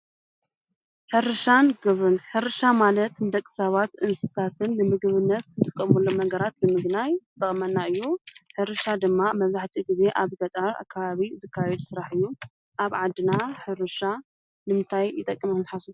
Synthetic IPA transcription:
ħɨɾɨʃanɡɨβɨnħɨɾɨʃamalɐt̪nɨd̪ɐkʼːɨ̥saβat̪ʔɨnsɨsat̪ʰɨnːɨmɨɡɨβɨnːɐt̪ɨt̪ʼɨkʼːɐmulːonɐɡɐɾat̪nɨmɨɡnajzɨt̪ʼɐχʼmɐnːaɨjːuħɨɾɨʃad̪ɨmːamɐβzaħt̪ʰiɡize̞ʔaβɡɐt̪ʼɐɾa̰kʰːaβaβizɨkʰːajɛd̪sɨɾaħɨjːu | ʔaβʕad̪ːɨnaħɨɾɨʃa | nɨmɨnt̪ʰajɪt̪ʼɐkʼːɨmnħasu

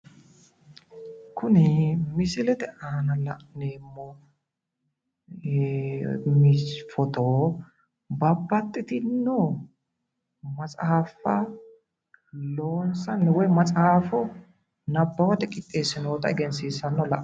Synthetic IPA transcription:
kʰʊnɪmɪsɪlɛt̪ɛʔɐhɐnɐlɐ̰ʔneːmːɔ | mɪsfɔt̪o | bɐbːɐt̪ʼːɪt̪ɪnːɔ | mɐt͡sʼaːfɐ | loːnsɐnːɛwɔjmɐt͡sʼaːfɔ | nɐbːɐwɐd̪ɛkʼɪt̪ʼːeːsɪnoːt̪ɐɛɡɛnsiːsːɐnːɔlɐʔ

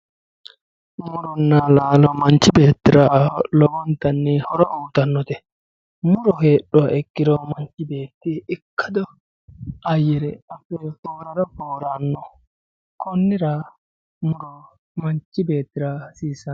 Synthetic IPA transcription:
mʊɾɔnːalaːlɔmɐnt͡ʃːɪbe̞ːt̪ːɪɾalɔɡɔnt̪ɐnːɛhɔɾɔʔuːt̪ɐnːɔt̪ɛ | mʊɾɔheːɗːɔaʔɛkːɪd̪ɔmɐnt͡ʃːɪbeːt̪ːɪɪkːɐd̪ɔ | ɐjːɛɾɛɐfːɛfoːɾɐɾɔfoːɾanːɔ | kɔnːɪɾa | mʊɾɔ | mɐnt͡ʃːɪbe̞ːt̪ːɪɾasiːsɐ

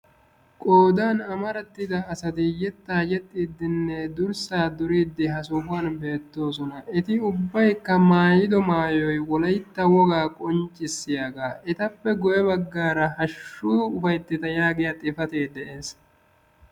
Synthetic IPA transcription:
kʼoːd̪aːnɐmɐɾɐt̪ːɪd̪ɐːsɐt̪ɪjɛt̪ːaːd͡ʒɛt̪ʼːiːd̪ːɪnːɛd̪ʊɾsaːd̪ʊɾiːd̪ːɪɦɐsʊfʊɐːnbe̞ːt̪ːo̞ːs̬ɔnɐɛt̪ɪʊbːɐjkːɐmaːjɪd̪ɔmaːjɔjwɔlɐjt̪ːɐwɔɡaːkʼɔnt͡ʃʼːɪsːɪjaːɡaːʔɛt̪ɐpːɛɡɔʔɛβɐɡːaːɾɐhɐʃːʊʊfɐjt̪ːɪt̪ɐjaːɡɪjɐt̪ʼɪfɐt̪eːd̪ɛʔeːs

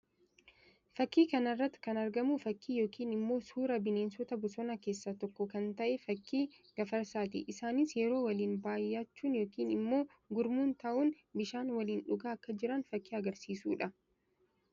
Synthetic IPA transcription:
fɐkːiːkɐnɐrːɐt̪ːɪ̥kɐnɐɾɡɐmufɐkːiːjo̞ːkʰiːnɪmːo̞ːsuːɾɐbɪne̞ːnsɔt̪ɐbɔsɔnɐke̞ːsːɐt̪ɔkːɔkɐnt̪ɐʔefɐkːiːɡ̥ɐfɐɾsaːt̪ɪ̰ʔɪsaːnisjɛɾo̞ːwɐliːnbaːjːaːt͡ʃːuːnjo̞ːkiːnɪmːo̞ː | ɡʊɾmuːnt̪ɐʔʊn | bɪʃaːnwɐliːnᶑʊɡaːɐkːɐd͡ʒɪɾɐnfɐkːiːɐɡɐɾsiːsuːᶑɐ

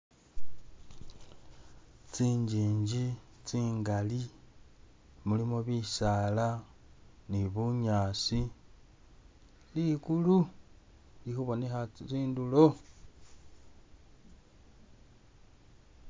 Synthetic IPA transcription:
t͡siːɲd͡ʒiːɲd͡ʒit͡siːŋɡali | mulimoβisaːla | niβuɲaːsi | likulu | lixuβo̞nexat͡siːndulo

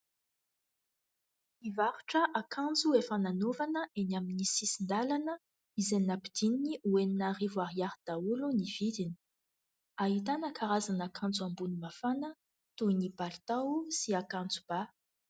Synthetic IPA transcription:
ivaɾuʈ͡ʂəʔakʰãnd͡zuefananovanəʔenaminisisind̪alanə | izenapid̪̥ininiueninaɾivwaɦiaɾd̪̥auluniv̥id̪ini̥ | aɦit̪̬anəkʰaɾazanakʰãnd͡zuambunimafanə | t̪unibalt̪awsiakand͡zu̥b̥a

